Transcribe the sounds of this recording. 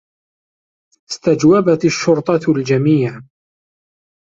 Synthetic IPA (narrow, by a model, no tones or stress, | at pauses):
ɪst̪ad͡ʒwabat̪aʃːʊɾt̪ˤɑld͡ʒamiːʕ